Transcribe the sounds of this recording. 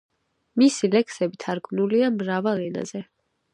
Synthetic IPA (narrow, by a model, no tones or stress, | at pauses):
misilɛksɛbit̪ʰaɾɡmnuliamɾavalɛna̰zɛ